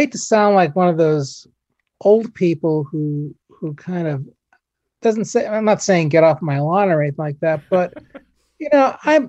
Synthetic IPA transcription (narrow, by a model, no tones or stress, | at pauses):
ɪtʰɨsãʊ̃ndˡlaɪkwʌ̃nʌvðoʊz | ʔoʊlˠd̚pʰipl̩ˠhu | hukʰãɪ̃ndʌv | d̥ʌzn̩tseɪãɪ̃mnətseɪɪ̃ŋɡɛɾɔfmaɪlɑ̃nə̃˞θɪ̃laɪk̚ðæt̚b̥ʌt̚ | jɨnoʊʔãɪ̃m